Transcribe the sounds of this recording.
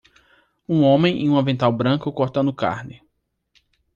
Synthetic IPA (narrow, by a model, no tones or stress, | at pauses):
ũõmẽj̃ẽũmɐvẽnt̪awbɾɐ̃kʊkɔɾt̪ɐnʊka̰ɾnɪ